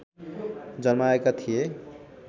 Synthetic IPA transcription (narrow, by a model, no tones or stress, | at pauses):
d͡zʌnmaekat̪ʰije